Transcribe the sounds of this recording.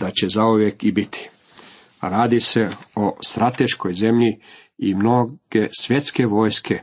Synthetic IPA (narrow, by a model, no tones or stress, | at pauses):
d̪̥at͡ɕe̞zauʋje̞kibit̪ʰi̥ | ɾaːd̪ise̞ost̪ɾat̪e̞ʃko̞jze̞mʎi | imno̞ɡ̥e̞sʋje̞t̪ske̞ʋo̞ːjskʰe